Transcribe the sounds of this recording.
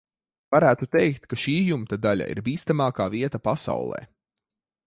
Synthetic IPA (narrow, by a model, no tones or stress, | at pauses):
vaɾæːt̪ut̪ejkt̪kaʃiːjumt̪ad̪aʎʲa̰ḭɾbiːst̪amaːkaːviɛt̪apasa̰wlˠɛ̰ː